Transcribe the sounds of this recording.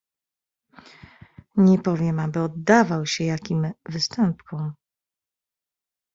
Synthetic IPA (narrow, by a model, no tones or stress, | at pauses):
ɲɛpɔvʲjɛmabɘɔd̪ːavawɕɛjakʲimvɘst̪ɛmpkʰɔ̃m